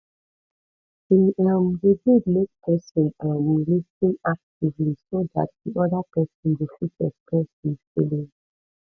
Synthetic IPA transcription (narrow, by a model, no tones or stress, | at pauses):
iamdeɡudmek̚pʰɛsɔ̃namlistĩnak̚tivlisoda̰t̚diʔɔdapɛsɔ̃ndefitɛspɛsifilĩn